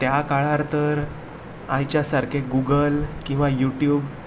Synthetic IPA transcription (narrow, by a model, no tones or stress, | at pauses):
t̪jakaɭaɾt̪əɾ | ãjt͡ɕjasaɾkʰeɡuɡəlkĩw̃ʋajuʈjuːb